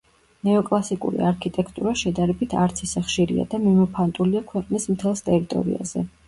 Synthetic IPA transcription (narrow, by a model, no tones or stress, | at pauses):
nɛɔkʼlˠasikʼṵɾḭaɾkʰit̪ʼɛkʰt̪ʼuɾaʃɛd̪aɾɛbit̪ʰaɾt̪sʰisaχʃiɾḭa̰d̪amimupʰant̪ʼuliakʰwɛqʼnismt̪ʰɛlˠst̪ʼɛɾit̪ʼɔ̰ɾḭa̰zɛ